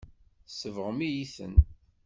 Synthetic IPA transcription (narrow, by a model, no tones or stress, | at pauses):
səvʁəmijiθə̰n